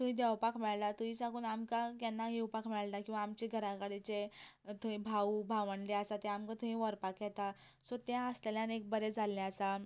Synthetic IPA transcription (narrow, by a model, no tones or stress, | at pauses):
t̪uĩd̪ɛʋpakʰmɛɭlat̪uĩsãɡuːnamkakɛnːaɦewpakʰmɛɭlakĩw̃ʋaːmt͡ɕeɡʱəɾãkaɽit͡ɕet̪uĩbʱaubʱaʋəɳleasat̪ɛ̃amkat̪uĩʋəɾpakjɛt̪a | sɔt̪ãəsleljãnek̚bəɾed͡zʱalːeəsa